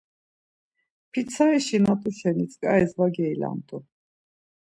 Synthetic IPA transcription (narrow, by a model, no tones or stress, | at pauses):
pʰit̪sʰaɛʃinat̪ʼuʃɛnit͡sʼkʼaɛzvaɡɛila̰nt̪ʼu